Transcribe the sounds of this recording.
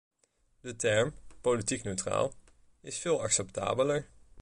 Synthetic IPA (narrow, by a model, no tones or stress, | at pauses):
dətɛɹmpolitiknøɥtra̰ːlˠ | ɪsfɪːlˠɑksɛpta̰ːbələɹ